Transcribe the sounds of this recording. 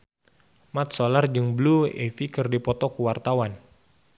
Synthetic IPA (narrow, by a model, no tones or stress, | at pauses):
mat̪̚solard͡ʒɨŋbluḛfikɨrdipɔt̪ɔkuwart̪awan